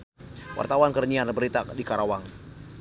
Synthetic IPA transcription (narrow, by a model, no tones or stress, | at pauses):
wa̰rt̪awankərɲianbəɾit̪adikaɾawaŋ